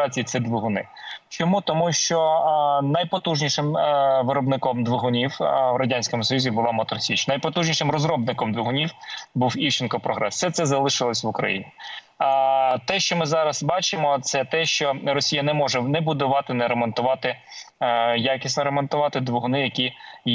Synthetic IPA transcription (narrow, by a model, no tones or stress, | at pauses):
ɑt͡sʲijit̪sɛd̪ʋʊɦʊnɪ̰t͡ʃɔmut̪ɔmuʃt͡ʃɔnɐjpɔt̪uʒnʲiʃɪmʋɪɾɔbnɪkɔmd̪ʋʊɦʊnʲiwwɾɐdʲanʲsʲkɔmʊsɔjuzʲibʊlˠɑmɔt̪ɾɔsʲit͡ʃnɐjpɔt̪uʒnʲiʃɪmɾɔzɾɔbnɪkɔmd̪ʋʊɦʊnʲiwbuwiwt͡ʃɪnkɔpɾɔɦɾɛ̰ssɛt̪sɛzɐlˠɪʃɪlˠɔsʲʋʊkɾɐ̰jḭnʲi | t̪ɛʃt͡ʃɔmɪzɑɾɐzbɑt͡ʃɪmɔt̪sɛt̪ɛʃt͡ʃɔɾɔsʲijɐnɛmɔʒɛnɛbʊd̪ʊʋɑt̪ɪnɛɾɛmɔnt̪ʊʋɑt̪ɪ | jɑkʲisʲnɔɾɛmɔnt̪ʊʋɑt̪ɪd̪ʋʊɦʊnɪjɐkʲi